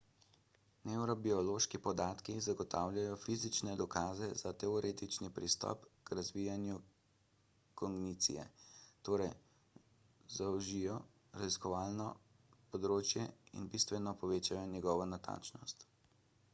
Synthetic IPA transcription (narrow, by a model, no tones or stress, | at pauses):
nɛwɾɔbiɔloːʃkipɔd̪aːt̪kizaɡɔt̪ʰaːwlʲjajɔfizit͡ʃnɛd̪ɔkaːzɛzat̪ɛɔɾeːt̪it͡ʃnipɾist̪ɔ̰pkɾazʋijanju | kɔŋɡnit̪sḭjɛ̰t̪oːɾɛj | zawʒijɔ | ɾaziskɔʋaːlnɔ | pɔd̪ɾoːt͡ʃjɛḭnbist̪ʋɛnɔpɔʋeːt͡ʃajɔnɛɡɔːʋɔnat̪a̰ːnt͡ʃnɔst̪